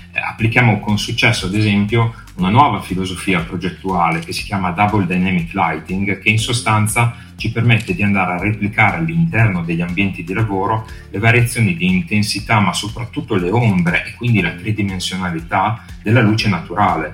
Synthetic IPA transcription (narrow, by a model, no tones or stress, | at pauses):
a̰pːlikjaːmokonsut͡ʃːɛsːoad̪ezɛmpjo | unanwɔːvafilozofiːapɾod͡ʒet̪ːuaːlekesi̥k̟jaːmad̪abold̪ajnɛmikːlajt̪iŋɡk̟einsost̪ant̪sa | t͡ʃipermet̪ːed̪iand̪aːɾeareplikaːɾealːint̪ɛrnod̪eʎːambjɛnt̪id̪ilavoːɾolevaɾjat̪sːjoːnid̪iːnt̪ensit̪amasopɾat̪ːut̪ːoleombɾeʔekːwind̪ilat̪ɾed̪imensjonalit̪ad̪elːaluːt͡ʃenat̪uɾaːle